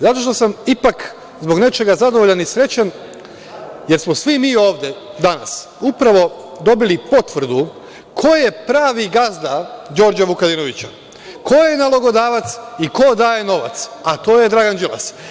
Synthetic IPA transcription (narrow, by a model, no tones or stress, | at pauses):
zat̪o̞ʃ̬t̪o̞samipak | zbo̞ɡne̞t͡ʃe̞ɡazad̪oʋoʎanisɾe̞t͡ɕan | je̞ɾsmo̞sʋimiːo̞ːʋd̪e̞d̪ana̰s | upɾaʋo̞d̪o̞bilipo̞t̪ʋr̩d̪u | kʰo̞jepɾaːʋiɡazd̪ad͡ʒo̞ːɾd͡ʒaʋukad̪inoʋit͡ɕa | ko̞jenalˠoɡo̞d̪aːʋat̪siko̞d̪aːje̞no̞ʋa̰t̪sat̪o̞ːje̞d̪ɾaɡand͡ʒilˠa̰s